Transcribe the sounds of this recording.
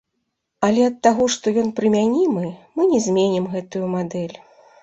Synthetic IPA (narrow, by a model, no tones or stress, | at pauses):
ɐlʲɛɐt̪ːaɣɔʂt̪ɔjɔnpɾɨmʲanʲimɨmɨnʲɛzʲmʲenʲɛmɣɛt̪ujumad̪ɛlʲ